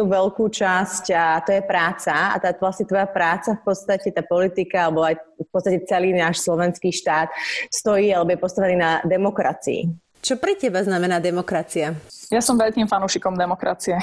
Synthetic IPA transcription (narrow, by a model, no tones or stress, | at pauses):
uʋɛlkuːt͡ʃascat̪ɔjɛpɾaːt͡saa̰t̪aːʋlasɲɛt̪ʋɔjapɾaːt͡safpɔt̪st̪acɛt̪aːpɔlit̪ikaalɛbɔajfpɔt̪st̪acɛt͡sɛliːnaːʃslɔʋɛnskiːʃt̪aːt̪st̪ɔjiːalɛbɔjɛpɔst̪aʋɛniːnad̪ɛmɔkɾa̰t͡sḭḭ | t͡ʃɔpɾɛcɛbaznamɛnaːd̪ɛmɔkɾat͡siajasɔmʋɛlkiːmfanuːʃikɔmd̪ɛmɔkɾa̰t͡siɛ